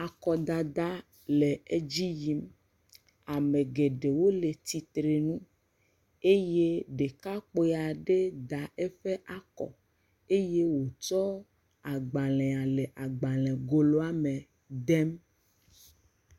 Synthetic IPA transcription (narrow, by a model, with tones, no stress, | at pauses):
a˨kɔ˨d̪a˨d̪a˦ | le˨e˦d͡ʑi˦ji˦m | a˨mẽ˨ɡe˨ɖe˨wo˦le˨t̪i˨t̪ɾe˨nũ˦ | e˦je˦ɖe˨ka˦k͡po˦a˨ɖe˦d̪a˨e˦ɸe˦ʔa˦kɔ̰˨ | e˦je˦wo˨t͡ʃɔ˦ | a˨ɡ͡ba˨lɛ̃˨a˨le˨ʔa˨ɡ͡ba˨lɛ̃˨ɡo˨lo˦a˦me˨ | d̪ɛ˦m